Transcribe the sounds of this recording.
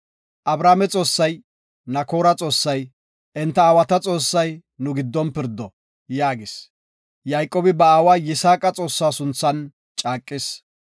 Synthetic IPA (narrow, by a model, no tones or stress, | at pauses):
ʔɐbɾaːmɛt͡sʼo̞ːsːɐj | nɐko̞ːɾɐt͡sʼo̞ːsːɐj | ʔɛnt̪ːɐːwɐt̪ɐt͡sʼo̞ːsːɐj | nʊɡɪd̪ːɔnpɪɾd̪ːɔ | jaːɡɪs | jɐjkʼoːbɪbɐaːwaːjɪsaːkʼɐt͡sʼo̞ːsːaːsʊnt͡sːɐn | t͡ʃʼaːkʼːɪs